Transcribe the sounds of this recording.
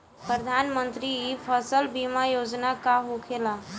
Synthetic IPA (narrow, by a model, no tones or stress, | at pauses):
pɾəd̪ʱanmənt̪ɾiipʰəsəlbimajod͡ʒnakaɦukʰela